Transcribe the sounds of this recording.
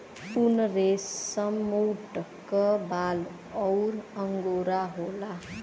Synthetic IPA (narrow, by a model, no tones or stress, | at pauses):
punʌɾesʌmuwʈʌkːʌbal | ʌwɾʌŋɡoɾaɦola